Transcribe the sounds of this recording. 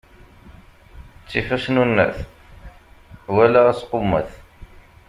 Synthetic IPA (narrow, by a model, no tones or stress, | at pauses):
t͡sːiçæʃnunːæ̰θ | wælææsqomːə̰θ